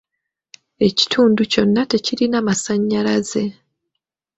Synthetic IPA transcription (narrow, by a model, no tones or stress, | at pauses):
e̞ci̥tʰuːnduco̞nːate̞ciɾinamasaɲːalaze̞